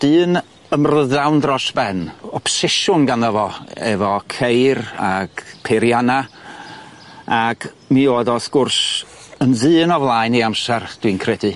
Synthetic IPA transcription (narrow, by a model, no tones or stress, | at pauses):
d̥ɨːn | əmrəðawndrɔsb̥ɛnɔpsɪʃʊnɡanəvɔɛ̰vɔkʰejɾa̰ɡ̥pʰeɾjana | aɡ̥ | mioːðɔskʊrsənðɨːnɔvlˠaɨniamsɛrd̥winkʰrɛdɨ